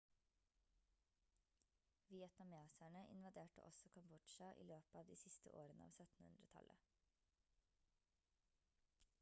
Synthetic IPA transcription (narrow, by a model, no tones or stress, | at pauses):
ʋɪɛt̪nɑmɪɑːsæɳəʔɪ̰nʋɑd̪eːʈə̰ʔɔ̰sɔkʰɔmbʊʈʃɑʔḭːløːpɑːʋd̪iːsɪst̪ə̰ʔo̰ːɾənəɑ̰ːʋsœt̪n̩hʉ̰nd̪ɾət̪ʰɑ̰lʔə